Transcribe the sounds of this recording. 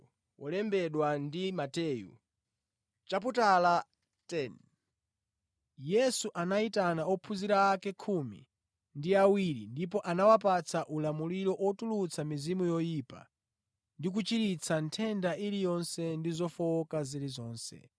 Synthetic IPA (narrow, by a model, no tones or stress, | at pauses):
wʔɔlɛmbɛɗwandimatɛːjṵ | t͡ʃap̬utala | tɛn | jɛsuʔanaitanaɔpʰuziɾaːkɛkʰumḭ | ndiawiɾḭndip̬ɔʔanawapat͡sʰaʔulamuliɾɔʔwɔtulut͡sʰamizimujɔjipa̰ | ndik̬ut͡ʃiɾit͡sʰantʰɛndaʔilijɔnsɛndizɔfɔkaziɾizɔːnsɛ̰